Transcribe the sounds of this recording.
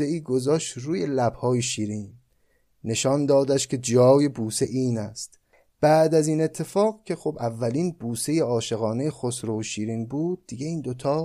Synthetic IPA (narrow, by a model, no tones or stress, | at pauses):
eiːɡo̞zɒːʃt̪ɾuːje̞læb̥hɒːjeʃiːɾiːnː | e̞ʃɒnd̪ɒːd̪æʃkʰʲe̞d͡ʒɒːje̞buːseʔiːnæst̪ | b̥æd̪æziːne̞t̪ʰːe̞fɒːɣcʲʰe̞xobævːæliːnbuːse̞je̞ɒːʃe̞ɣɒːne̞jexosɾoʃiːɾiːnbuːd̪̥̚ːiɡe̞iːnd̪o̞t̪ʰɒː